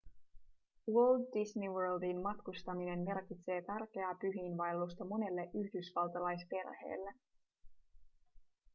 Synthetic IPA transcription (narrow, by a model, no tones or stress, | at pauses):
wøldːisniwøldinmɑt̪kust̪ɑmine̞nme̞rk̟it̪se̞ːt̪ærk̟e̞æːpyɦiːnʋɑjlːus̬t̪ɑmo̞ne̞lːe̞ʔyçdysʋɑlt̪ɑlɑjspe̞rhe̞̰ːlːe